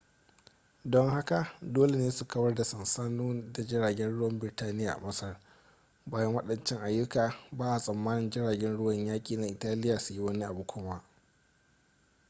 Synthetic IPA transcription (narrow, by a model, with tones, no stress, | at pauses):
dɔ˦ŋha˦ka˨doː˦le˨neː˦su˨kɐ˦bɐ˦rda˨sɐ˨nsaː˦nuː˦da˨d͡ʒɪ˦ɽaː˨ɡʲɛ˦nɽʊ˦wɐ˦mbɪ˨rtaː˦nɪ˦jaː˨ʔa̰˨mɐ˦sɐ˦r | baː˦jɐ˦ŋwɐ˦ɗɐ˨nt͡ʃɪ˦ŋʔa˨jːʊ˦kaː˨baː˦ʔa˨sʼɐ˨mːaː˦nɪ˨nd͡ʒɪ˦ɽaː˨ɡʲɛ˦nɽʊ˦wɐ˨ɲjaː˦kʲʼiː˨na˨ʔɪ˨taː˦lɪ˦jaː˨su˨ji˦wɐ˦ni˦ʔa˨bu˨kʷʊː˦maː˦